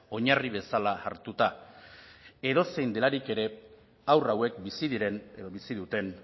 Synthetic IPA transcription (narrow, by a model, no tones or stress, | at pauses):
o̞ɲariβ̞e̞sala̰ːɾt̪ut̪a | e̞ðo̞se̞jnd̪e̞laɾike̞ɾe̞ | awrawe̞kbisiðiɾe̞neðo̞βisiðut̪e̞n